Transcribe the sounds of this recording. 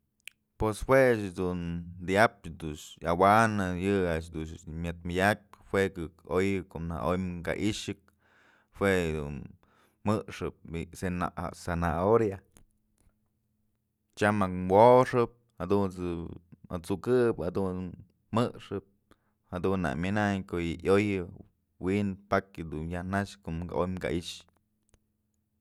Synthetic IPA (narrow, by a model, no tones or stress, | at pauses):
pweshwet͡ʃd̪und̪jap̚d̪uʂawanɨjɨaʔʃ̬d̪uʃmʲɨt̪̚majʲak̚hwekɨkojɨkoʔna̰ʔojmŋka̰ʔiʂɨk̚ | hwed̪ṵn | mɨʔʂɨp̚bisena̰a̰senaoɾja | t͡ʃamakwoʂɨp̚had̪unt͡sɨma̰t͡sukɨphad̪un | mɨʔʂɨp̚ | had̪unːa̰mʲɨnaɲkojɨʔjojɨ | winpakɨd̪unjanaʂkoʔmka̰ʔojmka̰ʔiʂ